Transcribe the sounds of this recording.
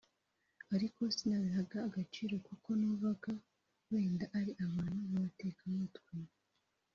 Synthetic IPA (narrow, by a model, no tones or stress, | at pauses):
aɾikʰo̞sinaβiɦaɡaːɡat͡ʃiːɾo̞kuko̞nuβaɡa | we̞ːndaʔaɾiʔaβaːnamumate̞ːkamutɡwe